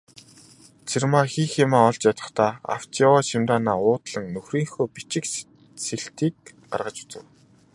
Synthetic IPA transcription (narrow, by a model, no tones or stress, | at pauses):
t͡sʰermaːxiːxemaːɔɮt͡ɕjat̪ə̆χt̪ʰaːa̰w̥t͡ɕawaːʃimt̪aːnaːʊːt̪ɮə̆ŋnɵxriːŋxoːpit͡ɕɪ̆k | seɬt̪iːk̚ | ɢa̰rʁə̆t͡ɕu̥t͡sɘ̆w